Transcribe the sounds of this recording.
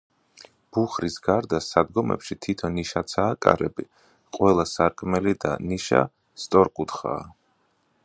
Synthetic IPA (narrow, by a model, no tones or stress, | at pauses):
b̥uχɾisɡaɾd̪asad̪ɡɔmɛ̰pʃit̪ʰit̪ʰɔnːiʃat̪sʰaːkʼa̰ɾɛbi | qʼwɛlˠasaɾkʼmɛlid̪a̰niʃa̰ | st̪ʼɔɾkʼut̪ʰχa̰ː